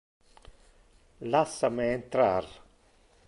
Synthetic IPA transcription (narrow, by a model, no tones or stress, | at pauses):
lasːameent̪ɾa̰r